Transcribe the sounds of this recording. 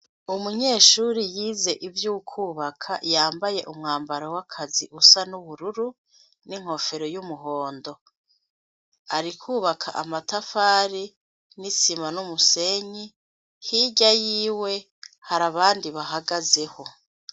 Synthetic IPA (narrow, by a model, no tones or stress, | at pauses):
umuɲe̞ːʃuɾijiːze̞ʔivjukʰuːβakʰa̰jaːmbaje̞ʔumŋaːmbaɾowakʰaziʔusanuβuɾuɾu | niŋ̥ho̞fe̞ɾo̞jumuɦo̞ːndo̞ | aɾikʰuːβakʰa̰ʔamatafaːɾi | nisimanumuse̞ɲi | hiːɟajiːwe̞ | haɾaβaːndiβaɦaɡaze̞ho̞